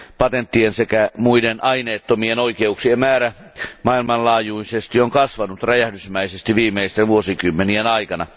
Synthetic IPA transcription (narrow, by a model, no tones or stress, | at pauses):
pɑt̪ent̪ːiensekæmuidenʔɑineːt̪ːomienoikeuksiemmæːɾæ | mɑilmɑnlɑːjuisest̪ioŋkɑsʋɑnut̪ræjæhdysmæisest̪iʋiːmeist̪eʋuosikymːenienɑikɑnɑ̰